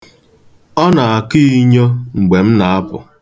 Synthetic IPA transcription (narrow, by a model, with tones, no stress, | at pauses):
ɔ˦na˨a˨ki˦i˦ɲo˦ŋ͡m̩˨ɡ͡be˨m̩˦na˨a˦pʊ̰˨